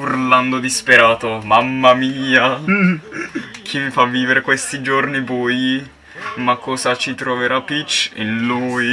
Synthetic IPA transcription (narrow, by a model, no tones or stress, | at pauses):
urland̪od̪ispeɾaːt̪omamːamiːa | kʰimifavːiːveɾekwest̪id͡ʒornibuji | makʰːɔːzat͡ʃit̪ɾoveɾapit͡ʃːinluːj